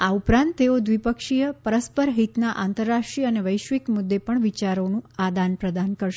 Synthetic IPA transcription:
aupɾãnt̪ːeod̪ʋipəkʃijəpəɾəspəɾɦit̪naʔant̪əɾːaʂʈɾiəneʋəjʃʋikmud̪ːepəɳʋit͡ʃaɾonũad̪anpɾəd̪ankəɾʃe

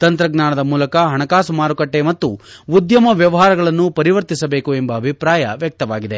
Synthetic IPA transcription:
t̪ɐnt̪ɾɐɡnaːɳɐd̪ɐmuːlɐkɐɦɐɳɐkaːsumaːɾukɐʈːe̞mɐt̪ːuːd̪jɐmɐʋjɐʋɐɦaːɾɐɡɐɭɐnːupɐɾiʋɐɾt̪isɐbe̞ːkuembɐːbʱipɾaːjɐʋjɐk̚t̪ɐʋaːɡid̪e

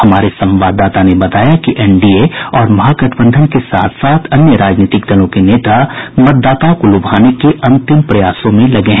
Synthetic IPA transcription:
ɦɐmaːɾesɐ̃mʋaːd̪aːt̪anebɐt̪aːjakiʔɛːɳɖieɔːɾmɐɦaːkɐʈʰbə̃nd̪ʱənkesa̰ːt̪ʰsaːt̪ʰɐnjəɾaːd͡ʒniːt̪ɪkd̪ɐlõkeneːt̪amɐt̪̚d̪aːt̪akolʊbʱaːnekeʔɐ̃nt̪ɪmpɾɐjaːsõmẽlɐɡeɦɛ̃

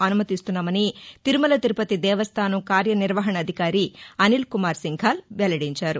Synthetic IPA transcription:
ɐnumɐt̪ist̪unːaːmɐnit̪iɾumɐlɐt̪iɾupɐt̪id̪ɛːʋɐst̪ʰaːnɐmkaːɾjɐniɾʋɐɦɐɳɐːd̪ʱikaːɾiɐnilkumaːɾsiŋɡʱaːlʋɛlɐɽiɲt͡ʃaːɾu

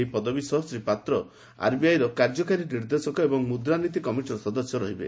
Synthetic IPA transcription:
ipɔd̪ɔbisɔɦsɾipat̪ɾɔ | a̰ɾbiajɾɔkaɾd͡ʒɔkaɾiniɾd̪esɔkɔebɔŋmud̪ɾanit̪̬ikɔmiʈiɾɔsɔd̪ɔsjɔɾɔɦibḛ

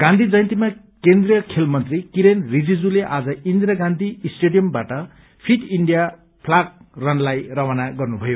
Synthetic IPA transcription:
ɡ̥ãnd̪ʱid͡zʌjʌ̃nt̪ima | kend̪rijʌkʰelmʌnt̪rikiɾenrid͡zid͡zuleʔad͡zʌind̪ɾʌɡãnd̪ʱisʈeɖijʌmbaʈʌ | pʰiʈiɳɖija | pʰlak̚rʌnlajrʌwanaɡʌrnubʱʌjo

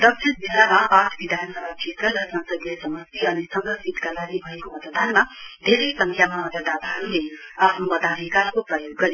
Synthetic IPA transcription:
d̪ʌk̚t͡ʃʰiɾbilamapaʈʰbid̪ʱanʌsʌbʱat͡ʃʰet̪ɾʌɾʌsʌ̃nsʌɡlesʌmʌsiʌnisʌŋʌsʰit̪kalaɡibʱʌekomʌt̪d̪ʱanmad̪ʱeɾesʌŋkʰjamamʌt̪əd̪ʱat̪aɦʌɾuleapʰnubʌt̪abikakoprʌjoɡːʌɾi

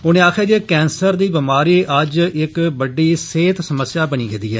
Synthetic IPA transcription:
ʊnẽːaːkʰaːd͡ʒeːkɛ̃ːnsəɾd̪iːbɪmaːɾiːʔəd͡ʒɪkbəɖiːseːt̪səməsːjaːbəniːɡeːd̪iːɦɛː

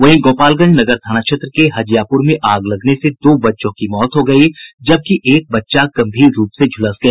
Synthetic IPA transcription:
ʋɐɦĩɡoːpaːlɡɐ̃ɲd͡ʒnɐɡəɾt̪ʰaːnaʃʰet̪ɾəkeɦɐd͡ʒjaːpʊɾmẽʔaːɡlɐɡnesed̪oːbɐtːʃõkimɔːt̪ɦoɡɐid͡ʒɐb̚kiʔeːk̚bɐtːʃakɐ̃mbʱiːzɾuːpsed͡ʒʱʊləsɡɐeː

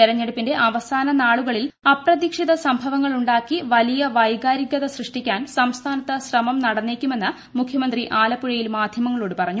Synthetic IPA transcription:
t̪iɾɐɲːeɽupːinde̞ʔɐʋɐsaːnɐnaːɭuɣɐɭilɐprɐðikʂiðɐsɐmbʱɐʋɐŋːɐɭuɳɖaːkːiʋɐlijɐʋɐjɡaːɾiɡɐðɐsrɨʂʈikʲːaːnsɐmst̪ʰaːnɐt̪ːɐɕrɐmɐmnɐɽɐnːeːkʲːume̞nːɨ | mukʰjɐmɐnd̪riʔaːlɐpːuɻɐjilmaːd̪ʱjɐmɐŋːɐɭoːɽɨpɐrɐɲːu

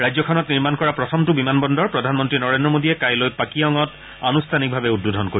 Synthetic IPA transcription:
ɹajzɔkʰɔnɔtniɹmankɔɹapɹɔtʰɔmtʊbimanbɔndɔɹpɹɔdʱanmɔntɹinɔɹendɹɔmodiɛkajlojpakiɔŋɔt | anustʰanik̚bʱabɛud̚budʱɔnkoɹi

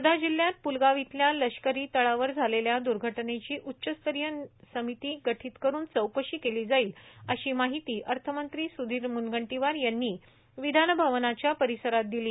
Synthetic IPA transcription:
səd̪ʱad͡ʑiljat̪̚pulɡaʋit̪ljaləɕkəɾiːt̪əɭaʋəɾd͡zʱaleljad̪uɾɡʱəʈnet͡ɕiːʔutːɕəst̪əɾjəsəmit̪iːɡəʈʰiːt̪kəɾuːnt͡səwkəɕiːkeliːd͡zaiːləɕiːmaɦit̪iːʔəɾt̪ʰəmənt̪ɾiːsud̪ʱiːɾmunɡəɳʈiʋaɾjanːiː | ʋid̪ʱanəbʱaʋnat͡ɕjapəɾisəɾat̪̚d̪iliː

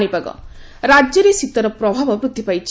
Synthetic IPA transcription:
ɽ̃ipaɡɔ̰ | ɾad͡ʒjɔɾesit̪ɔɾɔpɾɔbʱabɔpɾut̪ːipajt͡ʃʰ

